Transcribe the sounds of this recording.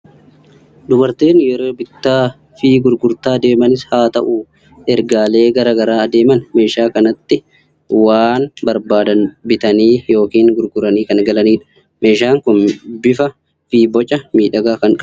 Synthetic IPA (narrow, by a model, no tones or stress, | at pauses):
d̪ʊbɐɾt̪e̞ːnjɛɾo̞ːbɪt̪ːaː | fiːɡʊɾɡʊɾt̪aːd̪e̞ːmɐnɪshaːt̪ɐ̰ʔuː | ɛɾɡaːle̞ːɡɐɾɐːɡɐɾaːd̪e̞ːmɐnme̞ːʃaːkɐnɐt̪ːɪ | waːnbɐɾbaːd̪ɐnbɪt̪ɐniːjo̞ːkiːŋɡʊɾɡʊɾɐniːkɐnɡɐlɐniːᶑɐ̥ | me̞ːʃaːŋkʊnbɪfɐ | fiːbɔt͡ʃʼːɐmiːᶑɐɡaːkɐŋkʼ